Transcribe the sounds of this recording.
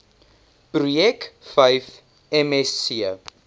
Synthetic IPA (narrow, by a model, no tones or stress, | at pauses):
prujɛkfɐjf | ɛmɛsiə